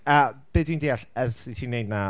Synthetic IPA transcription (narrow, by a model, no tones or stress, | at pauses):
əb̥ɪdwindiaɬɛsitʰiːnːejdna